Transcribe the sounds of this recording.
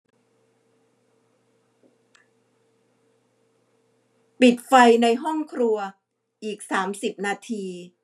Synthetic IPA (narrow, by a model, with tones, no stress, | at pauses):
pi˨˩t̪̚fa˧jna˧jɦɔ˥˩ŋkʰɾu˧ɐ | ʔiː˨˩k̚saː˩˦msi˨˩p̚naː˧t̪ʰiː˧